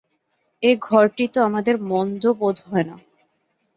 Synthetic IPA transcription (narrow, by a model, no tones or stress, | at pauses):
eɡʱɔɾʈit̪oamad̪eɾmɔnd̪obod̪ʱɦɔena